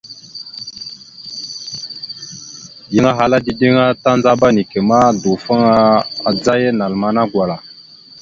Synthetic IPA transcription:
ji˦ŋa˦ɦa˨la˦di˨di˦ŋa˦ta˦nd͡za˦ba˦ni˨ke˨ma˦du˨fə˦ŋa˦a˨d͡za˦je˦na˨lma˨na˦ɡwa˨la˨

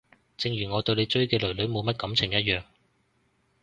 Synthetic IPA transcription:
t͡sɪ˧ŋjɥyː˨˩ŋɔː˨˧t̪ɵ˧ɥle˨˧jt͡ʃɵ˥ɥkɛː˧lɵ˨˩ɥlɵ˨˥ɥmo˨˧wmɐ˥t̚kɐ˨˥mt͡sʰɪ˨˩ŋjɐ˥t̚jœː˨ŋ

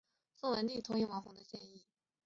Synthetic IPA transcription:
swɔ˥˩wə˧˥nli˥˩t̪ʰʊ˧˥ji˧˥˩wɑ˧˥fɑ˨˥ŋd̪ə˧ɕjɛ˥˧ni˥˩

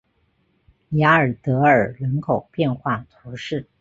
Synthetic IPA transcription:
ja˧˥ə˞˨˩t̪ɤ˧˥ə˞˨˩lə˧˥nkʰo˨˩ʊpjɛ˥˧nxwa˥˩t̪ʰu˧˥ʂɻ̩˥˩

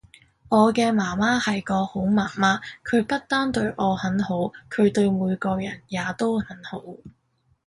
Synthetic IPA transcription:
ɔː˨˧kɛː˧maː˨˩maː˥hɐ˨jkɔː˧ho˨˥wmaː˨˩maː˥kʰɵ˨˧ɥpɐ˥t̚t̪aː˥nt̪ɵ˧ɥʔɔː˨˧hɐ˨˥nho˨˥wkʰɵ˨˧ɥt̪ɵ˧ɥmuː˨˧jkɔː˧jɐ˨˩njaː˨˧t̪o˥whɐ˨˥nho˨˥w

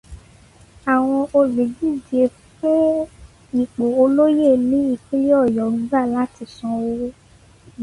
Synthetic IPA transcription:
a˨w̃ɔ̃˧o˧le˨d͡ʒi˦˨de˧fũ˦ | i˨k͡po˨o˧lo˦je˦˨nĩ˨˦i˦˨k͡pi˦lɔ˦˨jɔ˨ɾ̃ũ˨˦ba˦˨la˨˦ti˧˨sɔ̃˧wo˧˦

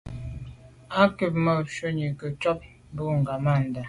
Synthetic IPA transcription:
a˦kə˨p̚mə˦˨ʃə˦ɲi˨kə˨t͡ʃɔ˦p̚ | bu˦ŋ̩˨ɡa˨ma˦˨n̩˨da˨

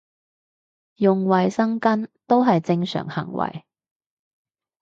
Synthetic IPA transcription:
jʊ˨ŋwɐ˨jsɐ˥ŋkɐ˥nt̪o˥wɦɐ˨jt͡sɪ˧ŋsœ̰ː˨˩ŋhɐ̰˨˩ŋwɐ̰˨˩j

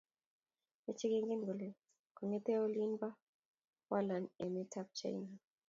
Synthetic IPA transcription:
me˦t͡ʃe˦ɡe˦ŋɡe˦nɡo˨le˨ | kɔ˨ŋe˦tɛ˦o˦li˦nba˦ | wa˦la˨ne˨me˦ta˦p̚t͡ʃa̰˨jna˨

